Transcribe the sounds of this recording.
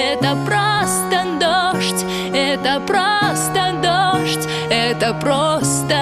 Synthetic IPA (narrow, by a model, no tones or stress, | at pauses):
ɛt̪əpɾost̪əd̪oʂtʲ | ɛt̪əpɾost̪əd̪oʂtʲ | ɛt̪əpɾost̪ə